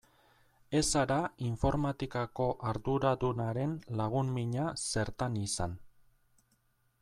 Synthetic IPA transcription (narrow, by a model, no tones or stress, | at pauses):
e̞saɾaiɱfo̞ɾmat̪ikako̞ʔaɾðuɾaðunaɾe̞nlaɣ̞unmiɲase̞ɾt̪anisan